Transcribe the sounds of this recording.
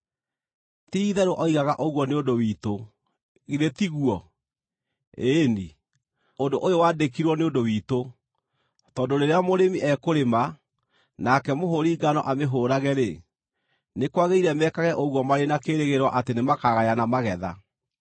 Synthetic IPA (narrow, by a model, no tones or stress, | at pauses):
tiːðɛɾoʔɔiɣaɣaʔoɣwɔneondowiːto | ɣiɾetiɣuɔ | eni | ondoʔojowaːdekiɾwɔneondowiːto | tɔːndoɾeɾeamoɾemiʔɛkoɾema | nakɛmoɦoɾiːɡanɔ̰ʔameɦoːɾaɣɛɾe | nekwaɣeiɾɛmɛkaɣɛʔoɣwɔmaɾenakeɾeɣeɾwɔʔatenemakaɣajanamaɣɛða̰